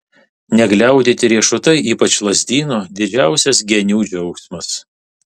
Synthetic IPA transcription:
nʲɛɡlʲɛˑʊd̪ʲiːt̪ʲɪɾʲiɛʃʊt̪ɐɪʔiːpɐt͡ʃʲlˠɐzʲd̪ʲiːnod̪ʲɪd͡ʒʲæˑʊsʲɛs̬ɡʲɛnʲuːd͡ʒʲɛʊksmɐs

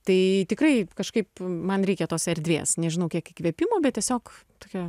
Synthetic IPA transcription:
t̪ɐɪt̪ʲɪkrɐɪkɐʃkɐɪpmɐnɾʲɛɪkʲɛt̪oːsɛɾʲd̪ʲʋʲḛːsnʲɛʒʲɪnɐʊkʲiɛkɪkʋʲɛpʲɪmoːbʲɛt̪tʲiɛsʲoːkt̪oːkʲɛ

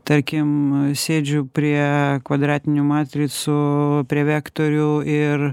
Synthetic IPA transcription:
t̪ɐɾʲkʲɪmsʲeːd͡ʒʲʊpʲɾʲiɛkʋɐd̪ɾɑːt̪ʲɪnʲʊmɑːt̪ʲɾʲɪsʊpʲɾʲiɛʋʲæːkt̪oːɾʲʊɪɾ

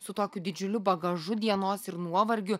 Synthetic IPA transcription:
sʊt̪oːkʲʊd̪ʲɪd͡ʒʲʊlʲʊbɐɡɐʒʊd̪ʲiɛnoːsɪɾnuɔʋɐɾʲɡʲʊ

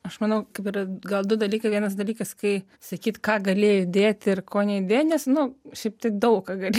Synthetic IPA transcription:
ɐʃmɐnɐʊkɐɪpiːɾɐɡɐlˠd̪ʊd̪ɐlʲiːkɐɪʋʲiɛnɐs̬d̪ɐlʲiːkɐskɐɪ | sɐkʲiːt̪kɑːɡɐlʲeːjɪd̪ʲeːt̪ʲɪrkoːnʲɛɪd̪ʲeːtnʲɛsnʊʃʲɛɪp̚t̪ɐɪd̪ɐʊkɑːɡɐlʲe

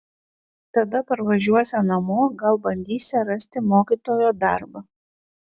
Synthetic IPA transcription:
t̪ɐd̪ɐpɐɾʋɐʒʲuɔsʲɛnɐmoːɡɐlˠbɐnʲd̪ʲiːsʲɛɾɐsʲt̪ʲɪmoːkʲiːt̪oːjoːd̪ɐˑɾbɐ

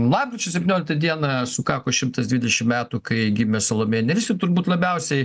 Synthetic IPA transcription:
lˠɑːp̚ɡʲɾʲɪt͡ʃʲʊsʲɛpʲt̪ʲɪnʲoːlʲɪkt̪ɐd̪ʲiɛnɐsʊkɑːkoːʃʲɪmt̪ɐsd̪ʋʲiːd̪ʲɛʃʲɪmmʲæːt̪ukɐɪɡʲɪmʲɛsɐlˠoːmʲeːnʲɛʋʲɪsʲɪt̪ʊɾbuːt̪lˠɐbʲɛʊsʲɛɪ

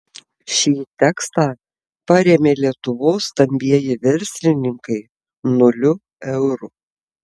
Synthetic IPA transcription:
ʃʲiːt̪ʲɛkst̪ɑː | pɐɾʲeːmʲeːlʲiɛt̪ʊʋoːsːt̪ɐmʲbʲiɛjɪʋʲɛɾʲsʲlʲɪnʲɪŋkɐɪ | nʊlʲʊ | ɛʊɾu

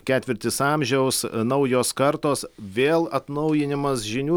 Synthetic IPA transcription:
kʲæːt̪ʲʋʲɪɾʲt̪ʲɪsɑmʲʒʲɛʊsnɐʊjoːskɐɾt̪oːsʋʲeːlˠɐt̪nɐʊjɪnʲɪmɐsʒʲɪnʲuː

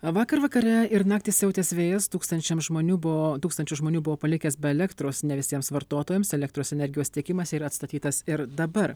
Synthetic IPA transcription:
ʋɑːkɐɾʋɐkɐɾʲɛɪɾnɑːk̚t̪ʲiːsʲsʲɛʊt̪ʲeːsʋʲeːjɛst̪uːkst̪ɐnʲt͡ʃʲɛmʒmoːnʲuːbʊot̪uːkst̪ɐnʲt͡ʃʲʊʒmoːnʲuːbʊʋoːpɐlʲɪkʲɛːsbʲɛɛlʲɛkt̪ɾoːsnʲɛʋʲɪsʲiɛmsʋɐɾt̪oːt̪oːjɛmsɛlʲɛk̚t̪ɾoːsɛnʲɛɾʲɡʲɪjoːst̪ʲiɛkʲɪmɐsiːɾɐɐt̪st̪ɐt̪ʲiːt̪ɐsɪɾd̪ɐbɐɾ

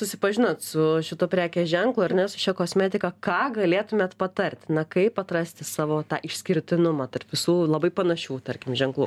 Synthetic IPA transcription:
sʊsʲɪpɐʒʲɪnot̪sʊʃʲɪt̪oːpʲɾʲæːkʲɛːʒʲɛŋklˠʊːɪɾnʲɛsʊ̥ʃʲɛkoːsʲmʲɛːt̪ʲɪkɐkɑːɡɐlʲeːt̪ʊmʲeːt̪pɐt̪ɐɾʲt̪ʲnɐkɐɪpɐt̪rɐsʲt̪ʲɪsɑːʋoːt̪ɑːʔɪʃʲsʲkʲɪɾʲt̪ʲɪnʊmɑːt̪ɐrpʋʲɪsuːlˠɐbɐɪpɐnɐʃʲuːt̪ɐɾʲkʲɪmʒʲɛŋklˠʊ

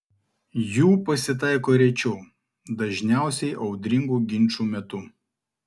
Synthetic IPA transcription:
juːpɐsʲɪt̪ɑˑɪkoːɾʲɛt͡ʃʲɛʊ | d̪ɐʒʲnʲæˑʊsʲɛɪʔɒʊd̪ʲɾʲɪŋɡuːɡʲɪnʲˑt͡ʃuːmʲɛt̪ʊ

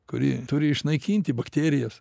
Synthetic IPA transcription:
kʊɾʲɪ̰t̪ʊɾʲɪɪʃnɐɪkʲiːnʲt̪ʲɪbɐkt̪ʲeːɾʲɪjɛs

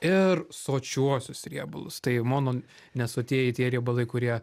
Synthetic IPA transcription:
ɪrsoːt͡ʃʲuɔsʲʊsɾʲiɛbʊlˠʊst̪ɐɪmoːnoː | nʲɛsoːt̪ʲiɛjɪt̪ʲiɛɾʲiɛbɐlˠɐɪkʊɾʲiɛ

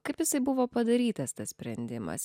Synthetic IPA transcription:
kɐɪpjɪsɐɪbʊʋoːpɐd̪ɐɾʲiːt̪ɐst̪ɐsʲsʲpʲɾʲɛnʲd̪ʲɪmɐ̰s

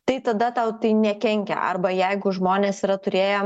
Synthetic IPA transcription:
t̪ɐɪt̪ɐd̪ɐt̪ɐʊt̪ɐɪnʲɛkʲɛŋʲkʲɛ̰ʔɐ̰rbɐjɛɪɡʊʒmoːnʲeːsiːɾɐt̪ʊɾʲeːjoː

